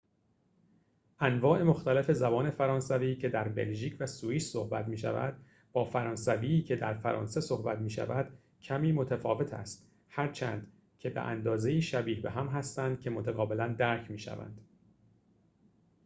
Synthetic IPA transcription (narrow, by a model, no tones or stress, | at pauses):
ʔænvɒːʔe̞mo̞xt̪ælefe̞zæbɒːne̞fæɾɒːnsæviːcʰe̞d̪æɾbe̞̰lʒiːcʰvæsuiːssohbæ̰t̪miːʃæ̰væ̰d̪̥ | bɒːfæɾɒːnsæviːcʰe̞d̪æɾfæɾɒ̰ːnse̞so̞hbæt̪miːʃæ̰væd̪̥ | cʰæmiːmo̞t̪ʰæfɒːve̞t̪ʰæ̰st̪ | hæɾt͡ʃʰæ̰ːnd̪̥ | cʰe̞bḛʔæ̰nd̪ɒːze̞iːʃæbiːhbe̞ɦæmɦæst̪ænd̪̥̚cʰe̞mo̞t̪ʰæɣɒːbelænd̪æɾcʰmiːʃæ̰væ̰nd̪̥